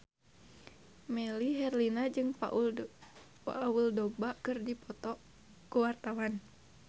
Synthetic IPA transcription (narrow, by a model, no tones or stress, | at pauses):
mɛliɦɛrlinad͡ʒɨŋpaʔu | pa̰wuldɔbakɨrdipɔt̪ɔ | kuwart̪awan